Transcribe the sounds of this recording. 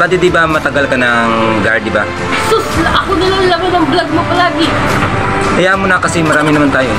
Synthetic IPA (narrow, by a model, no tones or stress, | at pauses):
pad̪ɪd̪ɪbamɐt̪ɐɡalkɐnɐŋɡaɹd̪ɪba̰ | sʊsʔɐkonɐlaŋlɐbɐnɐŋblaɡ̚mopɐlaːɡɪ | kɐjaʔmːonɐkɐsɛmɐɾaːmɪnɐmant̪aːjo